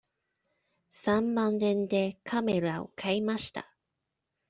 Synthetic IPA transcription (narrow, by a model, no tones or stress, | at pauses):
sãmmãnːẽ̞nd̪e̞kʰame̞ɾao̞̰kʰaimaɕi̥t̪a̰